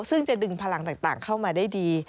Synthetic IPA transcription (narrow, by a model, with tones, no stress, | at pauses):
sɯ˥˩ŋt͡ɕa˨˩dɯ˧ŋpʰaː˧la˧˦ŋt̪aː˨˩ŋ̚t̪a̰ː˨˩ŋkʰa˥˩wmaː˧daː˥˩jdiː˧